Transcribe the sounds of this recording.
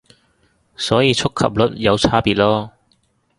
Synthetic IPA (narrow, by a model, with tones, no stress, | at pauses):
sɔː˨˥jiː˨˧t͡sʰʊ˥kʰːɐ̰˨p̚lɵ˨˥t̚jɐ˨˧wt͡sʰaː˥piː˨t̚lɔː˥